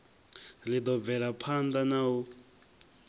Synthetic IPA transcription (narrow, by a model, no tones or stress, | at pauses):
lid̪ɔb̪vɛɺapʰand̪anau